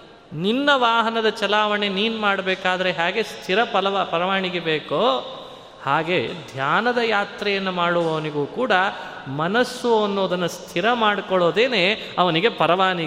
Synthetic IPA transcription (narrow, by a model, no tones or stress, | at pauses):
ninːɐʋaːɦɐnɐd̪ɐt͡ʃɐlaːʋɐɳe̞niːnumaːɽɐbɛːkaːd̪ɐɾe̞ɦaːɡe̞st̪ʰiɾɐpɐlɐpɐɾɐʋaːɳiɡebeːkoː | haːɡe̞d̪ʱjaːnɐd̪ɐjaːt̪ɾɛjɐnːumaːɽuʋɐʋɐniɡuːkuːɽɐ | mɐnɐsːuɐnːo̞ːd̪ɐnːust̪ʰiɾɐmaːɽkɔɭo̞ːd̪eːne̞ː | ɐʋɐniɡe̞pɐɾɐʋaːɳi